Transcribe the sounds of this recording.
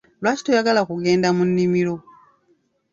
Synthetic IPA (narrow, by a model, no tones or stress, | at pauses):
lwaːci̥tojaɡalakuɡe̞ːndamunːimilo̞